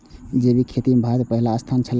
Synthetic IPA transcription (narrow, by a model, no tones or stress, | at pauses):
d͡ʒebikʰet̪imebʱad̪pəɦilaːst̪ʰant͡ʃʰəl